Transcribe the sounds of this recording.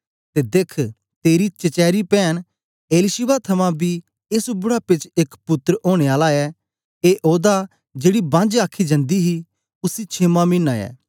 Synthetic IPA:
t̪ed̪eːkʰ | t̪eːɾit͡ʃɐt͡ʃɛːɾipɛːñ | eːlɪʃɪbat̪ʰɐmãbʱi | esbʊɽapɪt͡ʃekpʊt̪ːɾoːɽ̃eaːlaɛ | eːʔoːd̪a | d͡ʒeːɽibãnd͡ʒaːkʰid͡ʒɐ̃nd̪iɦi | ʊsit͡ʃʰemamĩːnaːjɛ̰ː

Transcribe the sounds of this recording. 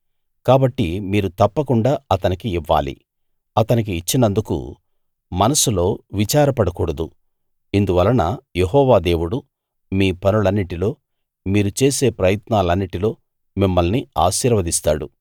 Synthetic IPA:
kaːbɐʈːimiːɾut̪ɐpːɐkuɳɖaːɐt̪ɐnikiiʋːa̰ːlḭ | ɐt̪ɐnik̬iːt͡ʃːinɐnd̪ukṵ | mɐnɐsulo̞ːʋit͡ʃaːɾɐpɐɽɐkuːɽɐd̪ṵ | ind̪uʋɐlɐnɐjeɦɔːʋaːd̪e̞ːʋuɽu | miːpɐnulɐnːiʈilo̞ː | miːɾut͡ʃe̞ːse̞ːpɾɐjɐt̪naːlɐnːiʈilo̞ː | mimːɐlnia̰ːʃiːɾʋɐd̪ist̪aːɽṵ

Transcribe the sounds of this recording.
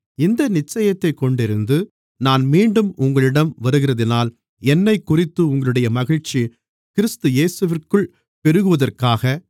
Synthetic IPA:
ɪnd̪ɐnɪt͡ʃːɐjɐt̪ːɐɪkːɔɳɖɪɾɯnd̪ɯ | naːnmiːɳɖɯmʊŋɡɐɭɪɽɐmʋɐɾɯɣɪrɐðɪnaːl | ɛnːɐɪkːʊrɪt̪ːɯʊŋɡɐɭɯɽɐjɐmɐɣɪɻt͡ʃːi | kɪɾɯst̪ɯjeːsɯʋɪrkɯɭ | pɛɾɯɣɯʋɐðɐrkaːɣɐ

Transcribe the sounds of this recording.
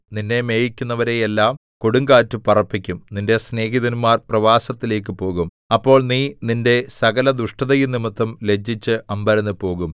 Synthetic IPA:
ninːe̞me̞ːjikʲːunːɐʋɐɾe̞jelːaːm | koɽuŋɡaːtːupɐrɐpːikʲːumninde̞sne̞ːɦiðɐnumaːrprɐʋaːsɐt̪ːile̞ːk̬ːɨpo̞ːɣum | ɐpːo̞ːɭniːninde̞sɐɣɐlɐd̪uʂʈɐðɐjunimɐt̪ːɐmle̞d͡ʑːit͡ɕːɨʔɐmbɐɾɐnːɨpo̞ːɣum

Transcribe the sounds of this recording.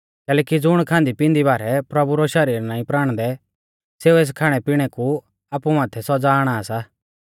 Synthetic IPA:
kɛːlɛːkid͡zʊɽ̃kʰãːnd̪ipɪ̃nd̪ibaːɾɛpɾɐbuɾɔʃɐɾiːɾnãːĩpɾaːɽ̃d̪ɛ | seːueːs̬kʰaːɽ̃ɛpiɽ̃ɛku | aːpumaːt̪ʰɛsɔd͡zaːɽ̃asaː

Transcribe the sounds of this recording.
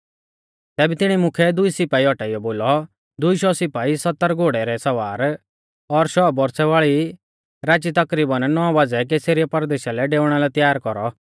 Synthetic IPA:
t̪ɛːbɛt̪ɪɽ̃imʊkʰɛd̪ʊisɪpaːiɔʈaːijɔboːlɔ | d̪ʊiʃɔsɪpaːisɐt̪ːəɾɡoːɽɛɾɛsɐʋaːɾ | ɔɾʃɔbɔɾsɛʋaːɭi | ɾaːt͡ʃit̪ɐkɾiːbənnɔaʋaːd͡zɛk̬eːseɾijɔpɐɾd̪eːʃalɛɖeːʊɽ̃alɛt̪jaːɾkɔɾɔ

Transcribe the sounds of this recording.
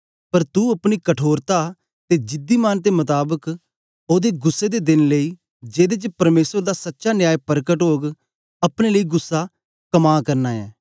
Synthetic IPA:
pəɾt̪uːəpɽ̃iːkəʈʰoːɾt̪aː | t̪eːd͡ʒɪd̪iːmaːnt̪emʊt̪aːbək | oːd̪eːɡʊsːeːd̪ed̪ɪnləiː | d͡ʒeːd̪eːt͡ʃpɐɾmeːsəɾd̪aːsətːʃaːnɪjaːjpəɾkəʈɦoːɡ | ɐpɽ̃eːləiːɡʊsːaː | kəmaːkəɾnaːɛ̰ː

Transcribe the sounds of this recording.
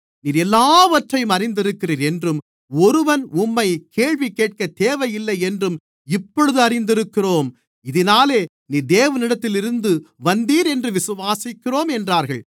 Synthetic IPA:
niːɾɛlːaːʋɐʈrɐjɯmɐɾɪnd̪ɪɾɯkːɪriːɾɛndrɯm | ɔɾɯʋɐnʊmːɐɪkeːɻʋikeːʈ̚kɐt̪eːʋɐjɪlːɐɪɛndrɯm | ɪpːɔɽɯðɯɐrɪnd̪ɪɾɯkːɪroːm | ɪðɪnaːleː | niːd̪eːʋɐnɪɽɐt̪ːɪlɪɾɯnd̪ɯʋɐnd̪iːɾɛndrɯʋɪsɯʋaːsɪkːɪroːmɛndraːɾɣɐɭ

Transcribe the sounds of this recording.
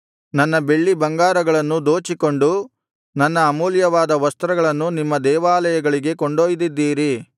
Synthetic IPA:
nɐnːɐbe̞ɭːibɐŋɡaːɾɐɡɐɭɐnːud̪oːt͡ʃiko̞ɳɖu | nɐnːɐːmuːljɐʋaːd̪ɐʋɐst̪ɾɐɡɐɭɐnːunimːɐd̪ɛːʋaːlɐjɐɡɐɭiɡe̞koɳɖoːjd̪id̪ːiːɾi

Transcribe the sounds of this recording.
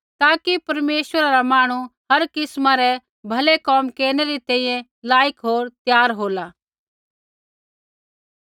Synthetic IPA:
t̪aːkipɐɾmeːsʋəɾaɾamaːɽ̃ũɦɐɾkɪsmãɾɛ | bʱɐlekɔːmkeːɽ̃ɛɾit̪ɛ̃ĩjɛ̃ | laːjɪkɦoːɾt̪jaːɾɦoːlaː

